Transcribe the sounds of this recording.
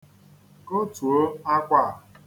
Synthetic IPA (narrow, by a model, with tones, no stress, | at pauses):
o˦tu˨o˦a˦kʷa˦˨